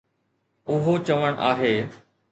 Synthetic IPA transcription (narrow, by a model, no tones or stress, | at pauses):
ʊɦot͡ɕɐʋəɽ̃ʔa̰ːɦeː